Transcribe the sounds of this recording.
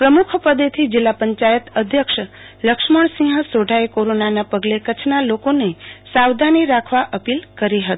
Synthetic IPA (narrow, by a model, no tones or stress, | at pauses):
pɾəmukʰpəd̪et̪ʰid͡ʒilːapəɲt͡ʃajət̪əd̪ʱjəkʃ | ləkʃməɳ̃sĩɦəsoɖʱaekoɾonanapəɡlekət͡ʃʰnalokonesawd̪ʱaniɾakʰʋaʔəpilkəɾiɦət̪i̥